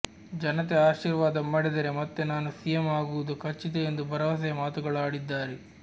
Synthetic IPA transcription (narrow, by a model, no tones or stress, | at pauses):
d͡ʒɐnɐt̪eaːʃiːɾʋaːd̪ɐmːɐɽed̪ɐɾemɐt̪ːenaːnusijɐmaːɡuʋud̪ukʰɐt͡ʃːid̪eend̪ubʱɐɾɐʋɐs̬ɐjɐmaːt̪uɡɐɭaːɽid̪ːaːɾe